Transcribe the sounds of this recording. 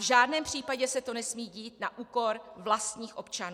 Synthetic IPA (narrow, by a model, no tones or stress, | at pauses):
ʒaːdnɛːmpr̝̥iːpaɟɛsɛt̪o̞nɛsmiːɟiːt̪naʔuːko̞ɾvlast̪ɲiːxʔo̞pt͡ʃanu